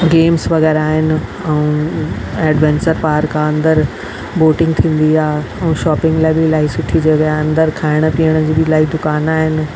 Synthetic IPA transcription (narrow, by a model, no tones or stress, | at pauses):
ɡeːmsʋɐɣɛːɾaːɦɪnɪ̆ | ɛũː | ɛːɖʋɛ̃ːnt͡ɕəɾpaːɾkʰãɐ̃nd̪əɾ | boːʈɪ̃ŋɡ̚t̪ʰĩːn̆d̪iaːɛ̃ũʃɔːpɪ̃ŋɡlaːɪbɪlaːɦisʊʈʰid͡ʑeɠaɐ̃nd̪əɾkʰaːɪɽ̃əpiːəɽ̃əd͡ʑiːbɪlaːid̪ʊkaːnaːɦɪnɪ̆